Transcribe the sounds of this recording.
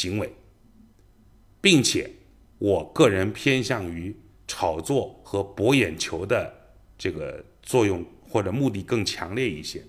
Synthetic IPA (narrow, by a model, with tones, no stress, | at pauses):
ɕi˧˥ŋwe˧˥ɪ | pi˥˩ŋt͡ɕʰjɛ̰˨˩˦ | wɔ˨˩kɤ˥˩ɻə˧˥npʰjɛ˥nɕjɑ˥˩ŋy˧˥ | ʈ͡ʂʰɑ˨˩ʊt͡swɔ˥˩xɤ˧˥pwɔ˧˥jɛ˨˩nt͡ɕʰjo˧˥ʊd̪ə˧ | ʈ͡ʂɤ˥˩ɡə̰˩ | t͡swɔ˥˧jʊ˥˧ŋxwɔ˥˩ʈ͡ʂɤ˨˩mu˥˧t̪i˥˧˩kɤ˥˩ŋt͡ɕʰjɑ˧˥ŋljɛ˥˧ḭ˥˩ɕjɛ̰˥